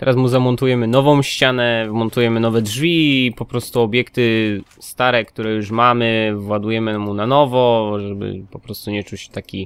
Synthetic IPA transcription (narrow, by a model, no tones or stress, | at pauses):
t̪ɛ̰ɾasmuzamɔnt̪ujɛmɘnɔvɔ̃w̃ɕt͡ɕanɛvmɔnt̪ujɛmɘnɔvɛdʐvʲipɔpɾɔst̪uɔbʲjɛkt̪ɘ | st̪aɾɛkt̪uɾɛjuʂmamɘvwad̪ujɛmɘmunanɔvɔʐɛbɘ̰pɔpɾɔst̪uɲɛt͡ʂut͡ɕt̪akʲi